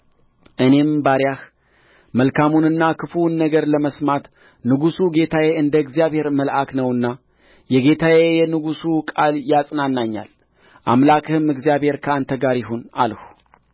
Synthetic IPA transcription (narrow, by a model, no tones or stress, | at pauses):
ʔɨne̞mbaɾjah | məlkʰamunɨnːakʰɨfunːəɡəɾləməsmat̪ | nɨɡusuɡe̞t̪ʰajeɨnd̪əɨɡzijaβhe̞ɾməlʔaknəwɨnːa | jɛɡe̞t̪ʰajejɛnɨɡusukʼaljasʼnanːaɲːa̰l | ʔa̰mlakʰɨhɨmɨɡzjaβhe̞ɾkʰəant̪ʰəɡaɾjɪɦuna̰lhu